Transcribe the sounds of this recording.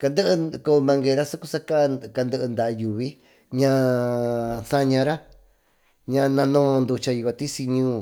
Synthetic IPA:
ka˧nd̪ɨ˦ʔɨ˧ko˧mã˧ŋɡe˧ɾa˦su˦ku˦˧sa˦ka˦˧ka˧nd̪ɨ˧ʔɨ˧nd̪a˨˧ju˨βi˦ | ɲã˧ | sa˦ɲã˧ɾa˦ | ɲã˧nã˧nõː˦˧nd̪u˧t͡ʃa˧i˧kʷa˧t̪i˦si˧ɲũː˦˧˦

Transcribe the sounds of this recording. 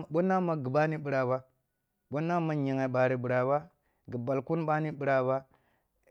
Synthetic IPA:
ɓo˦na˦ma˨ɡi˨ba˦ni˦ɓi˨ɾa˨ba˦ | ɓo˦na˦ma˨ɲi˨ŋa˨ɓa˨ɾi˨bi˨ɾa˨ba˦ | ɡi˨ba˨lku˦nɓa˦ni˦ɓi˨ɾa˨ba˦

